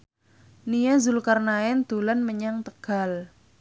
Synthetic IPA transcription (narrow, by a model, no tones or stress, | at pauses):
nijazʊlkarnaɛnd̪̥olanməɲaŋt̪əɡ̥a̤l